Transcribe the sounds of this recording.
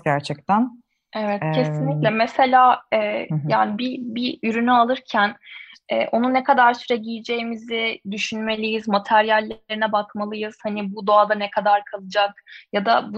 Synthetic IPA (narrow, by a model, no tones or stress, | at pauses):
ɟæɾt͡ʃʰɛc̚t̪ʰæn | evɛt̪cʰe̞sinlʲiclʲɛmese̞lʲaːɛːjaːnibibiyɾynyalˠɯɾcʰænɛ̰ːʔo̞nunekʰad̪aɾsyɾɛɟijid͡ʒe̞jimizid̪yʃynme̞lʲijizmat̪ʰæɾjalʲːeɾinɛbakmalˠɯjɯz̥hanibud̪o̞ad̪anekʰad̪aɾkʰalˠɯd͡ʒakjad̪abu